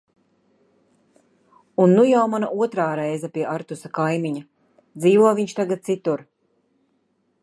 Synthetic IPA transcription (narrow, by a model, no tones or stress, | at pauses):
unːujawmanaʔuɔt̪ɾaːɾɛjzapʲiɛaɾt̪usakajmiɲa | d̪ziːvuɔviɲt͡ʃt̪aɡat̪̚t̪sit̪uɾ